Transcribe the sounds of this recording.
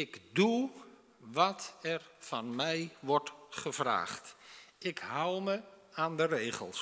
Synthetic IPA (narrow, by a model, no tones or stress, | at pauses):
ɪkdu | ʋɔtɛrfɑnmɛjʋɔrtχəv̥ra̰ːχtɪkɦawˠməaːndəreːχə̰lˠs